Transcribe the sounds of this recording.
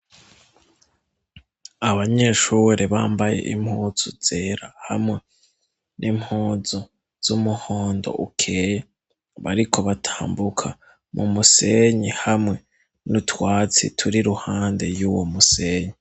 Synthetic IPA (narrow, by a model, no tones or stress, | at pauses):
aβaɲe̞ʃuːɾeβaːmbaje̞̰ʔim̥huːz̥uz̥e̞ːɾahamŋe̞ | nʔimhuːzo | z̥umuhoːndo̞̰ʔukʰe̞ːje | βaɾikʰo̞βatʰḁːmbukʰa | mumuse̞ɲihamŋe̞ | nutwaːt͡sḭtʰuɾiɾuhaːnde̞juwomuse̞ɲi